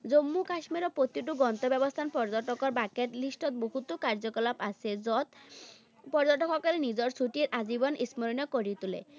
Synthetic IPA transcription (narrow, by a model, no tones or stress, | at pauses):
d͡zomːukaʃmiɾɔpɾot̪iʈ̬uɡɔnt̪obɛbost̪ʰanpɔɾd͡ʑoʈokoɾbaket̪lisʈɔt̪̚boɦut̪ːokaɾd͡ʑokɔlapasʰeɔt̪ | pɔɾd͡ʑoʈokɔkalenid͡ʑɔɾsuʈieɾʔad͡ʑibɔnʔismoɾinɔkoɾit̪ulḛ